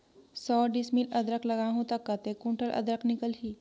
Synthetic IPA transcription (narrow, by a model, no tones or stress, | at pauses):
sɔːɖɪsmilɐd̪ɾəklɐɡaːɦũt̪ɐkːat̪ekũɳʈəlʔɐ̰d̪ɾəknɪkəlɦiː